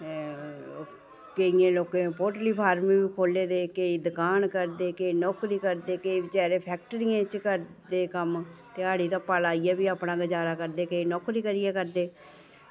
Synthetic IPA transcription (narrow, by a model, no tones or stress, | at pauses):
keiẽːloːkẽːpoːʈliːpʰaːɾmĩːbiːkʰoːlːeːd̪eːkeiːd̪əkaːnkəɾd̪eːkeiːnɔːkɾiːkəɾd̪eːkeiːʋɪt͡ʃaːɾẽːpʰɛːk̚ʈəɾiːãːt͡ʃkəɾd̪eːkəmt̪eːaːɽiːt̪ãːpalaːijaːbiːaːpnãːɡəd͡ʒaːɾaːkəɾd̪eːkeiːnɔːkɾiːkəɾijɛːkəɾd̪eː